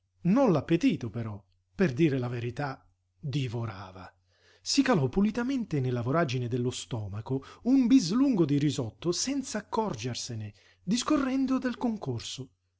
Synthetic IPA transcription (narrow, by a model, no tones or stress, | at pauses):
nonlapːet̪iːt̪opeɾɔ | perd̪iːɾelaveɾit̪a | d̪ivoɾaːva | sikalɔpːulit̪ament̪ɪnelavoɾad͡ʒined̪elːost̪ɔːmakoumbizluŋɡod̪iɾizɔt̪ːosɛnt̪saːkʰːɔrd͡ʒersenɪ | d̪iskorːɛnd̪od̪elkoŋkorso